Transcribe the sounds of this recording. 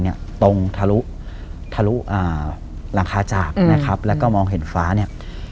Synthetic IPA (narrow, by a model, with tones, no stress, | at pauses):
ni˥˩ɐt̪o˧ŋt̪ʰa˧lu˦˥ʔ | t̪ʰa˧lu˦˥ʔaː˨˩ | la˩˦ŋkʰaː˧t͡ɕaː˨˩k̚na˦˥kʰa˦˥p̚lɛː˦˥wkɔː˥˩mɔː˧ŋɦe˨˩˦nfaː˦˥ni˥˩ɐ